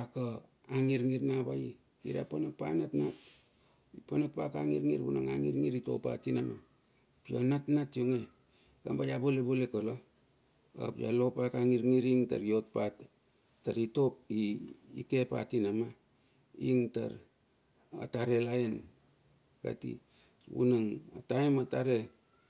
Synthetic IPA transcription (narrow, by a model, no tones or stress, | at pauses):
aka | aŋiɾŋiɾnabaji | ḭɾa̰ponak̚pa̰natnat | ponak̚pakaŋiɾŋiɾbunaŋa̰ŋiɾŋiɾito̰pa̰tinama | pionatnatioŋe | ɡambajabolebolekolo | a̰pja̰lopakaŋiɾŋiɾiŋta̰ɾijot̚pat | tːaɾitop̚iːkepa̰tinama | iŋta̰ɾ | a̰taɾelaen | ka̰tḭ | bṵnaŋataemataɾe